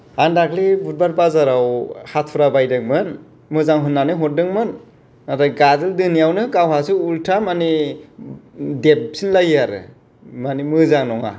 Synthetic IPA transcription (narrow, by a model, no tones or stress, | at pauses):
andakʰlibut̚baɾ̚bazaɾawhat̚ʰpʰɯɾabajdɯŋmɯn | mɯzaŋɦɯnːanɯɦɔt̚dɯŋmɯn | aɾaɡazɯldɯnijawnɯkawɦasɯultʰamani | dep̚sinlajaɾɯ̰ | manimɯzaŋnɔŋa̰